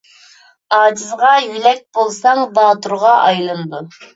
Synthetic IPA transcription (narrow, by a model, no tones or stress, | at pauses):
ɑːd͡ʒizʁɑjylɛk̚ʲbolˠsɑŋbɑːt̪uɾʁɑʔɑjlˠɨnd̪u